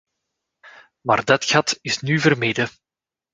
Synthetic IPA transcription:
maːrdɑtxɑtɪsnyvərmejdə

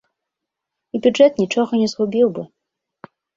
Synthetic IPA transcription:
ibʲuʐɛt̪nʲit͡ʂɔɣɐnʲɛzɣubʲiwbɨ

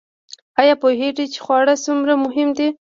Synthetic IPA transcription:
ajɑpoɦeʈit͡ʃe̥xwɑɽasumɾamʊɦɪmd̪i

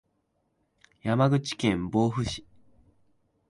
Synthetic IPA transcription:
jamaɡɯ̟t͡ɕi̥kẽ̞mbo̞ːɸɯ̟ɕi̥

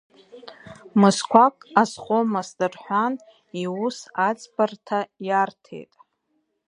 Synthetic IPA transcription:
mɨskʷakʼasχʷʼomasdɨrħʷan | iusat͡sʼpʰartpʰajartʰe̞̰jtʼ

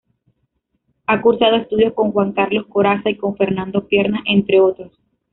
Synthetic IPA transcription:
akuɾsað̞o̞e̞st̪uðjo̞sko̞ŋxwaŋkaɾlo̞sko̞ɾasaiko̞ɱfe̞ɾnãnd̪o̞pje̞ɾnaʔe̞nt̪ɾe̞o̞t̪ɾo̞s

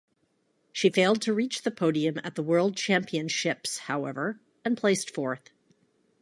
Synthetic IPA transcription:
ʃifeɪlˠd̚tʰɨɹit͡ʃðɨpʰoʊɾiɨ̃mɨ̰t̪̚ðəwɜ˞lˠd̚t͡ʃʰæ̃mpiɨ̃nʃɪpshaʊɛvə˞ | ɨ̃npʰl̥eɪstfɔɹθ

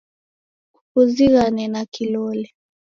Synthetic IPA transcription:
kukuziɣanɛnakilɔlɛ

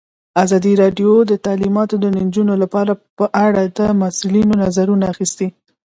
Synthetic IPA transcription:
azɑd̪iɾɑɖjod̪ət̪alimɑt̪od̪ənnd͡ʒunolapɑɾapəʔaɽad̪əmasulinonazaɾunaːxist̪i

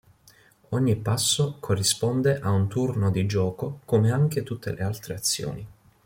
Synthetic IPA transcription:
oɲːipasːokʰorːispɔnd̪eʔaunt̪urnod̪id͡ʒɔːkokomeaŋk̟et̪ut̪ʰːḛlʔealt̪ɾeat̪sːjo̰ːni

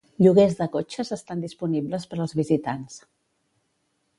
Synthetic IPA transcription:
ʎuɣ̞ezðəkot͡ʃəzəst̪and̪ispunibləspəɾəlˠzβizit̪ans

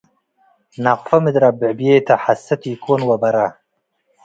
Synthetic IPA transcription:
naqfɐmɪd̪ɾabɪʕbijet̪ʰɐħasːɐt̪iːkʰonwɐbɐɾa

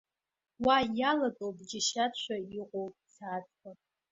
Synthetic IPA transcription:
wajalakʼowbʼd͡ʒɪʃat͡ɕʷʰaiqʷʼowpʼt͡sʰaːt͡sʼkʰʼa

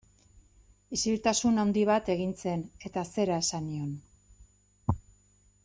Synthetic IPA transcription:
isilt̪asunawnd̪iβ̞at̪e̞ɣ̞int͡se̞ne̞t̪ase̞ɾae̞sanio̞n

